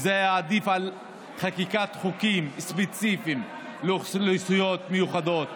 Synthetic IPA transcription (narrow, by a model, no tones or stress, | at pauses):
zeaːd̪ifal | χakikat̪χukimspet͡sifim | loleisujot̪mejuχad̪o̞t̪̚